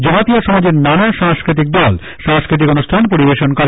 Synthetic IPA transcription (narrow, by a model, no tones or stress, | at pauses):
d͡ʑɔmat̪ioʃɔmad͡ʑeɾnanaʃãŋskɾit̪̬ik̚d̪ɔl | ʃãŋskɾit̪̬ikonusʈʰanpoɾibeʃonkɔɾe